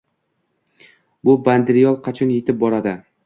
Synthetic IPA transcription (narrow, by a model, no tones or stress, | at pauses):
bʊband̪ɪɾɪjɒlˠqʰɑt͡ʃʰɒnjet̪ʰɪp̚bɒɾad̪ɪ